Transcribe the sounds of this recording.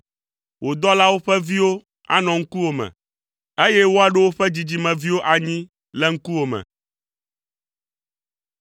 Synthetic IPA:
wo˨d̪ɔ˦la˦wo˦ɸɛ˦vi˦wo˦ | a̰˦nɔ̃˨ŋ̩˦ku˦wo˨mɛ̰̃˨ | e˦jɛ˦wo˦a˨ɖe˦wo˦ɸɛ˦d͡ʑi˨d͡ʑi˨mɛ̃˨vi˦wo˦ʔa˨ɲĩ˦ | lɛ˦ŋ̩˦ku˦wo˨mɛ̰̃˨

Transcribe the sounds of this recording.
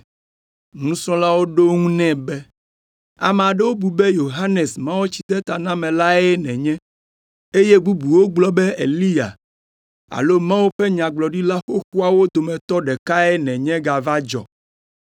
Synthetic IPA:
nũ˦sɔ̃˦la˦wo˦ɖo˦ŋũ˦nɛ̃˦bɛ˦ | a̰˨m˨a˨ɖɛ˦wo˦bu˨be˦jo˨ɦa˦ne˨smã˦wo˦t͡ɕi˨t̪ɛ˦t̪a˨nã˦mɛ̃˨la˦ɛ˦nɛ̃˨ɲɛ̃˦ | e˦je˦bu˦bu˨wo˦ɡ͡blɔ˦bɛ˦ḛ˨li˦ja̰˨ | a̰˨lo˦mã˦wo˦ɸɛ˦ɲã˨ɡ͡blɔ˨ɖi˦la˦xo˦xu˦a˨wo˦d̪o˨mɛ̃˨t̪ɔ˦ɖɛ˨ka˦e˦nɛ̃˨ɲɛ̃˦ɡa˨va˦d͡ʒɔ̰˨

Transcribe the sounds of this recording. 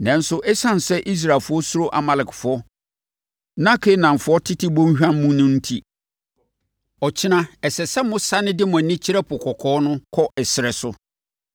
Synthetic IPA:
nã˨n˦sʊ˦ʔɛ˦sã˦n˨sɛ˦ʔi˦s̬ɾa˨lfʊ˦ɔ˦sʊ˦ɾo˦ʔa˨ma˨lɪ˨kfʊ˨˦ɔ˦ | nã˦kʰe˦nã˨m˨fʊ˨˦ɔ˦tʰɪ˦tʰɪ˦bõ˦hᶣã˦m˦mũ˦nʊ̃˦n̩˦tʰi˦ | ɔ˨t͡ɕʰɪ˦nã˦ɛ˨sɛ˨sɛ˦mʊ̃˦sa˦nɪ̃˦dɪ˦mã˨nĩ˦t͡ɕʰɪ˦ɾɛ˦pʰʊ˨kʰɔ˨kʰɔː˦nʊ̃˦kʰɔ˦ʔɛ˨sɪ˨ɾɛ˨sʊ˦

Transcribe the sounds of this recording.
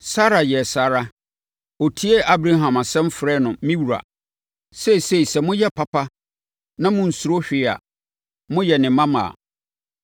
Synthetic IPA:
sa˦ɾa˨jɛ˨sa˨ɾa˦ | o˨tʰi˦e˦ʔa˦bɾa˦ɦã˨ma˨sɛ̃˦m˦fɾɛ˦nʊ̃˨mĩ˦wu˨ɾa̰˨ | sɛ˦˨se˦i˨sɛ˨mʊ̃˦jɛ˦pʰa˨pʰa˦ | nã˦mʊ̃˦n̩˨su˨ɾo˦ɕᶣɪ˨a̰˨ | mʊ̃˦jɛ˨nɪ̃˨mã˦mã̰ː˨

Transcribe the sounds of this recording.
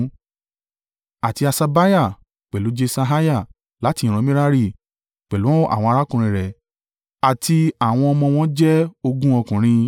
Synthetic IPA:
a˨ti˧a˧sa˧ba˦ja˦˨ | k͡pɛ˨lu˨˦d͡ʒe˧sa˧ɦa˦ja˦˨ | la˨˦ti˧ĩ˨ɾ̃ɔ̃˧˦mĩ˦ɾa˦ɾi˦˨ | k͡pɛ˨lu˨˦a̰˦˨w̃ɔ̃˧a˧ɾa˦kũ˨ɾ̃ĩ˧˨ɾɛ˨ | a˨tʰi˧a˦˨w̃ɔ̃˧ɔ˧mɔ̃˧w̃ɔ̃˦d͡ʒɛ˦o˧ɡũ˦ɔ˧kũ˨ɾ̃ĩ˧

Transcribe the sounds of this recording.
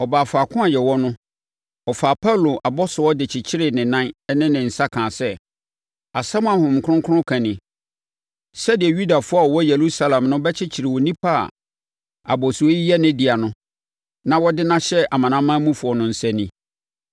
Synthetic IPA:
ɔ˨baː˨fa˨kʰʊ̃˦a˨jɛ˨wɔ˦nʊ̃˦ | ɔ˨faː˨pʰa˦˨lo˨ʔa˨bɔ˦sʊ˨ɔ˦dɪ˨t͡ɕʰɪ˨t͡ɕʰɪ˦ɾɪ˨nɪ̃˨nã˦n˦nɪ̃˦nɪ̃˨n̩˨sa˦kʰãː˨sɛ˦ | a˨sã˦m˦a˨hʊ̃˨m̩˨kʰʊ̃˦ŋkʰʊ˦nʊ̃˦kʰã˨nɪ̃˨ | sɛ˦dɪ˨ɛ˨ɥu˦da˨fʊ˦a˦˨ɔ˨wɔ˦je˨ɾu˦sa˦lɛ̃˨mnʊ̃˦bɛ˦t͡ɕʰɪ˦t͡ɕʰɪ˨ɾɪ˨wɔ˨nĩ˦pʰa̰˦˨ | a˨bɔ˨su˨o˦ji˦jɛ˦nɪ̃˦di˨a˨nʊ̃˦ | nã˨wɔ˦dɪ˦nã˦ɕɛ˦ʔa˨mã˨nã˦mã˦mũ˦fʊ˨ɔ˨nʊ̃˦n̩˨sɛ̃˦nĩ˦

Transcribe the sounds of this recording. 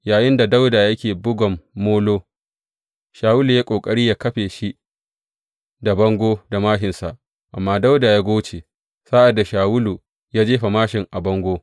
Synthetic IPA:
jaː˨jɪ˦nda˨da˦wda˨jɐ˦kʲeː˨bʊ˦ɡʷɔ˨mːoː˦loː˦ | ʃaː˨wʊ˦lu˨jaː˦kʷʼoː˨kʼɐ˦ɽiː˦jaː˦kɐ˦ɸeː˨ʃi˦ʔ | da˨bɐ˦ŋɡʷoː˦da˨maː˦ɦɪ˨nsa˨ʔ | ʔa̰˨mːaː˦da˦wda˨jaː˦ɡʷoː˦t͡ʃeː˨ | saː˦ʔa˨dːa˨ʃaː˨wʊ˦lu˨ | jaː˦d͡ʒeː˦ɸa˨maː˦ʃɪ˨ŋʔa˨bɐ˦ŋɡʷoː˦

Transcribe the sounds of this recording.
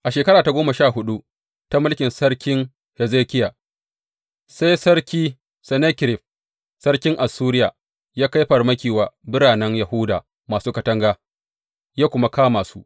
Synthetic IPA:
ʔa˨ʃeː˨kɐ˦ɾaː˨ta˨ɡʷoː˦ma˨ʃaː˦˨ɦʊ˦ɗu˦ | ta˦mʊ˦lkʲɪ˨nsɐ˦ɽkʲɪ˦ŋ | he˨zeː˦kʲɪ˦jaː˨ | sa˦jsɐ˦rkʲiː˦ | sɛ˨ne˦kʲɪ˨ɾɪ˨ɸ̚ | sɐ˦ɽkʲɪ˦ŋʔa˨suː˦ɾɪ˦jaː˨ | jaː˦ka˦jɸɐ˨rmɐ˦kʲiː˨waː˨bɪ˦ɽaː˨nɛ˦ŋjɐ˨hʊ˦daː˨ | maː˨suː˦kɐ˨tɐ˦ŋɡaː˦ | jaː˦kʷʊ˦ma˦kaː˦maː˨su˦ʔ

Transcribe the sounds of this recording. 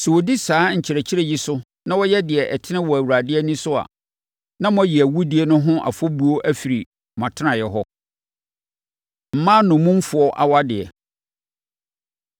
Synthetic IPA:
sɛ˨wo˨di˦saː˨˦ɲ̩˨t͡ɕʰɪ˨ɾɛ˨t͡ɕʰɪ˦ɾɛ˦˨ji˦sʊ˦ | nã˦wɔ˦jɛ˦dɪ˨ɛ˨ʔɛ˨tʰɪ˦nɪ̃˦wɔ˨æ˨wu˨ɾa˨dɪ˦ɛ˦nĩ˦sʊ˦a̰˨ | nã˦m˦ɔ̃˦ji˨æ˨wu˦di˦e˦nʊ̃˦ɦʊ̃˦ʔa̰˨fɔ˦bu˦o˦ʔæ˦fi˨ɾi˨ | m˨ã˨tʰɪ˦nã˨jɛ˨ɦɔ˦ | m̩˨˦mãː˦nʊ̃˨mũ˦m̩˦fʊ˨ɔ˦ʔa̰˨wa˦dɪ˨ɛ̰˨

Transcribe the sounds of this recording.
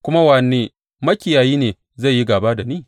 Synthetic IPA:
kʷʊ˦ma˦wa˨˦nːeː˦ | mɐ˦kʲɪ˨jaː˨jiː˦neː˨ | za˦˨ji˦ɡaː˨baː˦da˨niː˦˨

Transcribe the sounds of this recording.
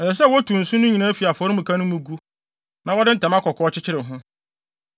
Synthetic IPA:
ɛ˨sɛ˨s̬ɛ˦˨wɔ˦tʰũ˨n̩˨sũ˦nʊ̃˦ɲĩ˨nãː˦fi˨a˨fɔ˨ɾmũ˨kʰã˦nʊ̃˦mũ˨˦ɡu˦ | nã˨˦wɔ˦dɪ˦n̩˦tʰã˨mã˦kʰɔ˨kʰɔ˦t͡ɕʰɪ˦t͡ɕʰɪ˦ɾɪ̃˨ɦʊ̃˦

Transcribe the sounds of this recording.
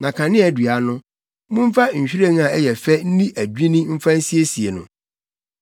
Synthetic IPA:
nã˨kʰã˨nɪ̃˦ɛ˨dɥa˨˦nʊ̃˦ | mʊ̃˦m̩˦fa˦ɲ̩˨ɕᶣi˦ɾe˦ŋ˦ã˨ɛ˦jɛ˨fɛ˦n̩˦nĩ˦ʔæ˨d͡ʑᶣĩ˦nĩ˦m̩˦fã˦n̩˦si˦e˦si˨e˨nʊ̰̃˨

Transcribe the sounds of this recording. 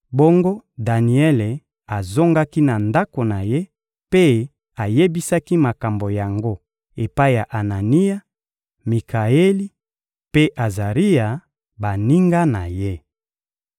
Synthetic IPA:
bo˦ŋɡo˦da˨ni˨e˦le˨ | a˨zo˦ŋɡa˦ki˦na˨nda˦ko˨na˨je˦ | pe˦ | a˨je˦bi˦sa˦ki˦ma˨ka˨mbo˨ja˨ŋɡo˦ | e˨pa˦i˦ja˨ʔa˨na˨ni˦ja˦ | mi˨ka˨e˦li˦ | pe˦ʔa˨za˨ʁi˦ja˨ | ba˨ni˦ŋɡa˦na˨je˦

